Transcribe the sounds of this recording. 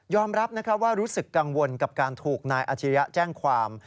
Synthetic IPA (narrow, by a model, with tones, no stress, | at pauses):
jɔː˧mɾa˦˥p̚na˦˥kʰa˦˥waː˥˩ɾuː˦˥sɯ˨˩kːa˧ŋwo˧nka˨˩p̚kaː˧nt̪ʰuː˨˩k̚naː˧jʔa̰˨˩t͡ɕʰi˧˦ja˦˥t͡ɕɛː˥˩ŋkʰwaː˧m